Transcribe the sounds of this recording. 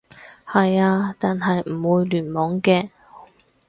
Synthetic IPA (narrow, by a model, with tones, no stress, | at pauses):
hɐ˨jaː˧t̪aː˨nɦɐ˨jm̩˨˩wuː˨˧jlyː˨˩nmɔː˨˥ŋkɛː˧